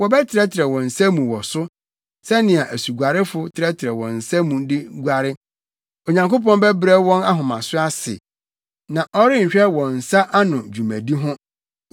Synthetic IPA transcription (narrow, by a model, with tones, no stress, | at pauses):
wɔ˨bɛ˦tʰɪ˨ɾɛ˦tʰɪ˨ɾɛ˨wɔ̃˨n̩˨sa˦mũ˨wɔ˨sʊ˦ | sɛ˦nɪ̃˨a˨ʔæ˨su˨ɡʷa˨ɾɪ˦fʊ˦tʰɪ˨ɾɛ˦tʰɪ˨ɾɛ˨wɔ̰̃˨n̩˨sa˦mũ˨dɪ˦ɡʷa˨ɾɪ˦ | o˨ɲã˨ŋko˦pɔ̃˦n˦bɛ˦bɾɛ˦wɔ̃˦na˦ɦʊ̃˨mã˨sʊ˦a˦sɪ̰˨ | nã˨ʔɔ˦ɾɪ˦ɲ̩˨ɕᶣɛ˦wɔ̃˨n̩˨sa˦ʔa˦nʊ̃˨d͡ʑu˨mæ̰̃˨di˦ɦʊ̃˦